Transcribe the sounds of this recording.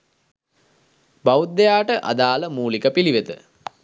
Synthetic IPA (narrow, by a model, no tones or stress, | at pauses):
bawut̪̚ːejaːʈəʔa̰d̪aːləmuːlikəpiliʋet̪ə̰